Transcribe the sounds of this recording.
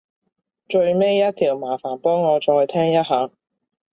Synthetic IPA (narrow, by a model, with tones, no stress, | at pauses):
t͡ʃɵ˧ɥme˥jjɐ˥t̪ʰiː˨˩wmaː˨˩faː˨˩npɔː˥ŋɔː˨˧t͡ʃɔː˧jt̪ʰɛː˥ŋjɐ˥t̚ɦaː˨˧